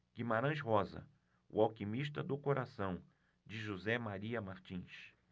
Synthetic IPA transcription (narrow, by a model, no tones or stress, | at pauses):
ɡ̥imaɾɐ̃ʃɦɔzɐ̰ | ʊ̰awkimiʃt̪ɐd̪ʊkoɾʔasɐ̃w̃ | d͡ʒɪʒuzɛmaɾiɐmaɾt͡ʃĩʃ